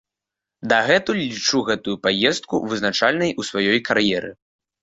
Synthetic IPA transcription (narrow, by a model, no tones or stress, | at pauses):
d̪ɐɣɛt̪ulʲit͡ʂuɣɛt̪ujupajɛst̪̚kṵvɨznat͡ʂalʲnɐjʔusvajɔjkʰaɾjɛɾɨ̰